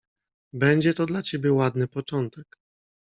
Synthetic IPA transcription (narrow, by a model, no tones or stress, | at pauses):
bɛɲd͡ʑɛt̪ɔd̪lat͡ɕebʲjɛwad̪nɘpɔt͡ʂɔnt̪ɛk